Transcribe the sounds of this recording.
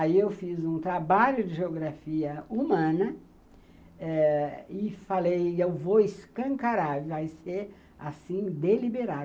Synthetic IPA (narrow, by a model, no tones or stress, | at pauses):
aiewfizũt̪ɾabaʎʊd͡ʒɪʒeoɡɾafiɐumɐ̃nɐ | ɛɪfalejewvowɪskɐ̃ŋkaɾaɾvajseɾ | asĩd̪elibeɾad̪